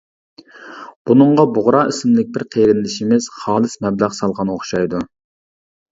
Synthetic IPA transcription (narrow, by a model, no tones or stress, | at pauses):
b̥unɨɴʁɑbʊʁɾɑisɪmlɪk̚ʲbɪɾqʰeɾɪnlɪʃimɪz̥χɑːlˠɨsmɛblæʁsɑlˠʁɑnoχʃɑjd̪u